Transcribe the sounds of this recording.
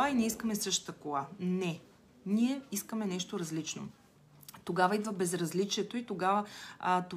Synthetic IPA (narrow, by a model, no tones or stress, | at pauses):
ainɛiskəmɛsɤʃt̪t̪əkolˠanɛ | niɛiskəmɛnɛʃt̪oɾɐzlit͡ʃno̰ | t̪oɡavəid̪vəbɛzɾɐzlit͡ʃiɛt̪oit̪oɡavəət̪